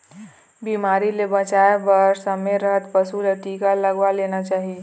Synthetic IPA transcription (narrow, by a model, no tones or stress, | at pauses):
biːmaːɾilebə̃t͡ʃaːebəɾsəmeɾəɦət̪pəsuleʈiːkaləɡʋaleːnat͡ʃaːɦi